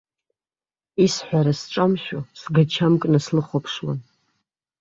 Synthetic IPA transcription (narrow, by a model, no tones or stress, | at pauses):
isħʷᶣaɾasʈ͡ʂʼamʃᶣosɡat͡ʃʰamkʼnaslɨχʷapʰʂwa̰n